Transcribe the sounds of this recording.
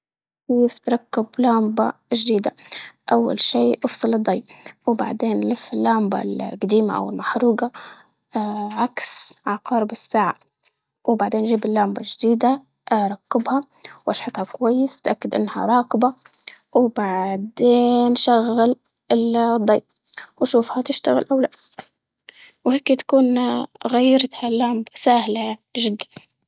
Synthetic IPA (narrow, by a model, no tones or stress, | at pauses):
keːft̪ɾˤɑkːɪblaːmbaʒd̪iːd̪aʔawːa̰lʃiːʔʊfsˤɨlɨd̪ˤːɑjːwba̰ʕd̪eːnlɪfːɪlːaːmba̰lɡad̪iːma̰ʔa̰wɪlmaħɾuːɡɑ | ʕaksʕɑqɑːɾˤbɪsːaːʕa | wbaʕd̪eːnʒiːbɪlːaːmbaʒd̪iːd̪a | ʔɾˤɑkːɪbha | wʔɑʃħɑt̪ˤhɑkwajːɪsɪt̪ʔakːɪd̪ʔɪ̰nːha̰ɾˤɑːkɪba | wbaʕd̪eːnʃaɣːal | ʔɪld̪ˤːɑːf | wʃuːfhat̪ɪʃt̪aɣɪ̰lʔawlaʔ | wheːkt̪ḁkuːnɣajːɾˤt̪halːaːmbsaːhlaʒɪd̪ːan